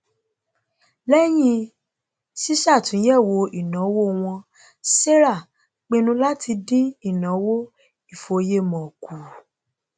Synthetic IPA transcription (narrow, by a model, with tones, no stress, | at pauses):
lɛ˦j̃ĩ˧ | ʃi˦ʃa˦˨tũ˨˦jɛ˦˨wo˧i˦˨nã˨˦wo˦˧w̃ɔ̃˧ | se˦ɾa˦˨ | k͡pe˧nũ˧˦la˦ti˧dĩ˦i˦˨nã˨˦wo˦ | i˦˨fo˨˧je˦mɔ̃˨ku˨